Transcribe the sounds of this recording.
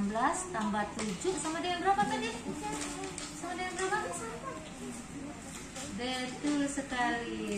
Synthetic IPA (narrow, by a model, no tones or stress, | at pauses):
mblast̪ambat̪ud͡ʒʊsamadajaŋbəɾabakani | samadijaŋdəɾabak | dɛt̪usəkali